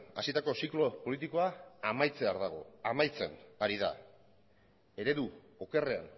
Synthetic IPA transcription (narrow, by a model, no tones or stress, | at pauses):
a̰sit̪ako̞siklo̞po̞lit̪iko̞aːmajt͡se̞aɾðaɣ̞o̞̰amajt͡se̞naɾiða̰ | e̞ɾe̞ðu | oke̞re̞a̰n